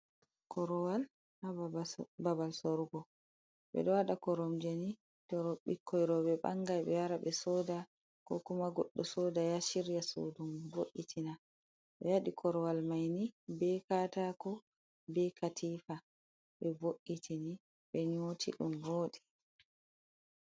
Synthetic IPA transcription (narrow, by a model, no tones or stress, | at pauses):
kʰɔɾɔwal | hababalsoɾɡɔ | ɓɛ̰ɗɔwaɗakɔɾɔmd͡ʒeni | tɔɾɔɓikʰːɔjɾɔɓɛɓa̰ŋɡajɓɛjaɾaɓɛsɔːda | kɔ̰kumaɡɔ̰ɗːɔsɔːdajaʃiɾjaso̰dumboʔːitʰina | ɓɛ̰jaɗikʰɔɾɔwalmajnibɛkatakɔ | bɛkatʰifa | ɓɛboʔːitʰini | ɓɛɲotʰiɗumvoːɗɛ